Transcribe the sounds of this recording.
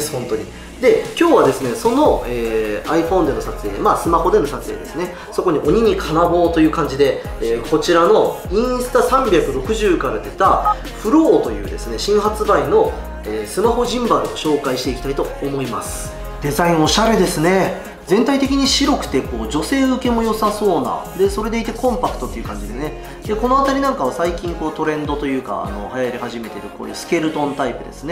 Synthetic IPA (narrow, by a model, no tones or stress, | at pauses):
esɨ̥hõ̞nt̪o̞ɲ̟i | d̪e̞kʲo̞ːβad̪e̞sɨne̞so̞no̞eːaiɸõ̞nd̪e̞no̞sat͡sɨe̞ːmaːsɨmaho̞d̪e̞no̞sat͡sɨeːd̪e̞sɨne̞ | so̞ko̞ɲ̟iʔo̞ɲ̟iɲ̟ikʰanabo̞ːt̪o̞jɯ̟ːkãɲ̟d͡ʑid̪e̞ː | ko̞t͡ɕiɾano̞ĩɰ̃sɨ̥t̪asãmbʲjakɯ̟ɾo̞kɯ̟ʑɨːkaɾad̪e̞t̪a | ɸɯ̟ɾo̞ːt̪o̞jɯ̟ːd̪esɨne̞ɕĩɰ̃ɦat͡sɨbaino̞ | eːsɨmaho̞ʑĩmbaɾɯ̟oɕo̞ːkaiɕi̥t̪e̞ikʲi̥t̪ait̪oːmo̞imasɨ̥ | d̪e̞zaĩɰ̃o̞ɕaɾe̞d̪e̞sɨne̞ | d͡zẽ̞nt̪ait̪e̞kʲiɲ̟iɕiɾo̞kɯ̟̥t̪e̞ko̞ːd͡ʑo̞se̞ːɯke̞mo̞jo̞saso̞ːna̰d̪e̞so̞ɾe̞d̪e̞it̪e̞kõ̞mpakɯ̟̥t̪o̞t̪ːeiɯ̟kãɲ̟d͡ʑid̪esne̞ | d̪e̞ko̞no̞at̪aɾʲinãŋkaβ̞asaikʲĩŋko̞ːt̪o̞ɾẽ̞nd̪o̞t̪o̞jɯ̟ːka̰ːno̞̰hajaɾʲihaʑime̞t̪e̞ɾɯ̟ko̞̰ːjɯ̰ːsɨ̥kʲe̞ɾɯ̟t̪õ̞nt̪aipɯ̟d̪e̞̰sɨne̞